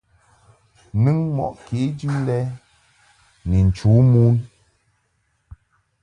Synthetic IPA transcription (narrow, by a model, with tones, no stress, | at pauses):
nɨ˦ŋmɔ̰˨ʔke˨˦d͡ʒʉ˦lɛ˦ | ni˨n̩˨t͡ʃu˨˦mu˦n